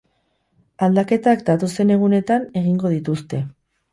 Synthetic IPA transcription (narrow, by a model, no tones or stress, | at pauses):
ald̪ake̞t̪akd̪at̪o̞se̞ne̞ɣ̞une̞t̪ane̞ɣ̞iŋɡo̞ð̞it̪ust̪e̞